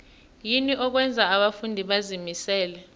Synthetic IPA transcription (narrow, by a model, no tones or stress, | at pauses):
jiniʔɔk̬wɛnd͡zʱaːɓafundʱiɓazimisɛːlɛ